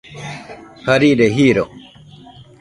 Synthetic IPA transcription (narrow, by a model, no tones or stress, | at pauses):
kʰɐɾiːɖeɦiːɾo